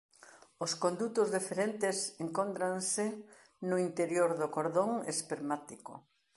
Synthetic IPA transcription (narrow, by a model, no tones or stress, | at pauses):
ʊskõnd̪ut̪ʊzðifeɾent̪ɪseŋkont̪ɾansɪ | nʊint̪eɾjoɾðʊkoɾðoŋḛspeɾmat̪iko̰